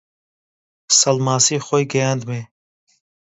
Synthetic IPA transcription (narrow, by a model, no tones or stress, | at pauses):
sɐlmaːsiːxojɡejand̪meː